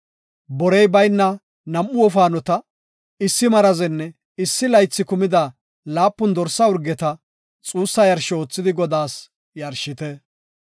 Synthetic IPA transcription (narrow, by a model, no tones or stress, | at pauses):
bɔɾɛjbɐjnːɐ | nɐmːʊɔfaːnɔt̪ɐ | ɪsːɪmɐɾɐzɛnːɛ | ɪsːɪlɐjt͡sːɪkʊmɪd̪a | laːpːʊnd̪ɔɾsːɐʊɾɡɛt̪ɐ | t͡sʼuːsːɐjɐɾʃɛoːt͡sːɪd̪ɪɡɔd̪aːs | jɐɾʃɪt̪ɛ